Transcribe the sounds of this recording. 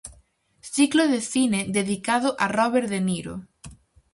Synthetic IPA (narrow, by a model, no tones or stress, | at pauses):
sikloðeθineðeðikað̞oʔarɔβeɾðeniɾo̰